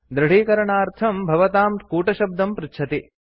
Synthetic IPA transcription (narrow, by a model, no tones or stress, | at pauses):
d̪ɾɐɽ̤iːkɐɾɐɳaːɾt̪ʰɐmbʱɐʋɐt̪aːmkuːʈɐʃɐb̚d̪ɐmpɾɪtːt͡ʃʰɐt̪i